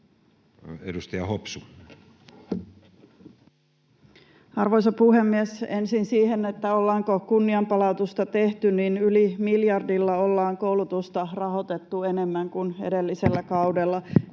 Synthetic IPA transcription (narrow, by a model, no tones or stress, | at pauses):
edust̪ɑjɑhopsu | ɑrʋojsɑpuhe̞mːiesensinsiːhenet̪ːæo̞lːɑːŋkokunːiɑmpɑlɑut̪ust̪ɑt̪e̞ht̪ynninylimiljɑrdilːɑolːɑːŋkowlut̪ust̪ɑrɑɦo̞t̪e̞t̪ːuene̞mːæŋkunḛdelːiselːækɑudelːɑ